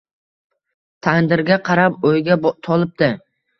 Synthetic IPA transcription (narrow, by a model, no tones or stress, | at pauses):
t̪ʰaŋnd̪ɪɾɡʲaqʰɑɾapojɡʲat̪ʰɒlˠɪp̚d̪ɪ